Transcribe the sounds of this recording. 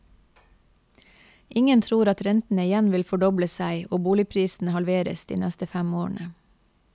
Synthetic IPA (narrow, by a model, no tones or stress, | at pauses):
ʔɪŋənt̪ʰɾuːɾɑt̪ɾɛnt̪n̩əɪjænʋɪlfɔɖɔbləsæɪʔoːbuːlɪpʰɾiːsn̩əhɑlʋeːɾə̰sd̪̥ḭːnɛst̪əfæmoːɳʔə